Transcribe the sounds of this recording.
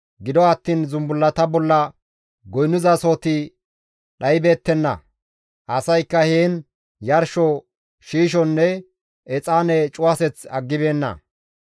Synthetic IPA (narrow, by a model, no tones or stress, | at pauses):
ɡɪd̪ɔɐt̪ːiːnzʊmbʊlːɐt̪ɐbɔlːɐ | ɡɔjnːʊzɐso̞ːt̪ɪ | ɗɐjbe̞ːt̪ːɛnːɐ̰ | ʔɐsɐjkːɐheːn | jɐɾʃɔ | ʃiːʃ̬ɔnːɛ | ɛt͡sʼaːnɛt͡ʃʼʊwɐsɛt͡sɐɡːɪbe̞ːnːɐ̰